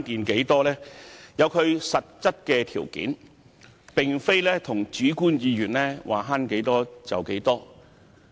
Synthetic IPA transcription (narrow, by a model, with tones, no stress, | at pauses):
nkiː˨nke˨˥jt̪ɔː˥lɛː˥jɐ˨˧wkʰɵ˨˧ɥsɐ˨t̚t͡sɐ˥t̚kɛː˧t̪ʰḭː˨˩wkḭː˨˥n | pɪ˨˩ŋfe˥jlɛː˥t̪ʰʊ˨˩ŋt͡ʃyː˨˥kuː˥njiː˨˧ɥyː˨˩nlɛː˥waː˨ɦaː˥nke˨˥jt̪ɔː˥t͡sɐ˨wke˨˥jt̪ɔː˥